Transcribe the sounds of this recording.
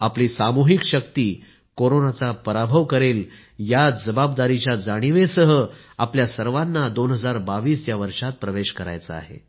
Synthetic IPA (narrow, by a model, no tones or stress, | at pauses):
apliːsamuɦikɕəkt̪iː | koɾonat͡sapəɾabʱəʋkəɾeːl | jad͡zəbab̚d̪aɾit͡ɕjad͡zaɽ̃iʋesəɦə | apljasəɾʋanːad̪onɦəd͡zaɾbaʋiːsjaʋəɾʂat̪̚pɾəʋeɕkəɾa̰jt͡səa̰ɦḛ